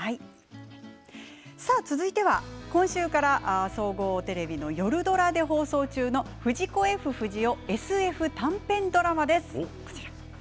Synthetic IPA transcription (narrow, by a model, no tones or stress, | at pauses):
hai | saːt͡sɨzɨit̪e̞β̞a̰kõ̞ɕɨːkaɾaʔso̞ːɡo̞ːt̪e̞ɾe̞bʲino̞jo̞ɾɯ̟d̪o̞ɾad̪e̞ɦo̞ːso̞ːt͡ɕɨːno̞ɸɯ̟ʑiko̞e̞ɸɯ̟ɸɯ̟ʑio̞e̞sɨe̞ɸɯ̟t̪ãmpẽ̞nd̪o̞ɾamad̪e̞sɨ̥ko̥t͡ɕi̥ɾḁ